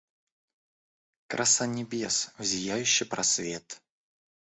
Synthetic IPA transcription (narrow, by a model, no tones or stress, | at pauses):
kɾʔɐsanʲɪbʲesvzʲɪjæjʉɕːɪpɾɐsvʲe̞t̪